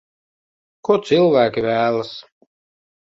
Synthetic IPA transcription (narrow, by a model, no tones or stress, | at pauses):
kut̪sɨlˠvæːkʲivæːlˠas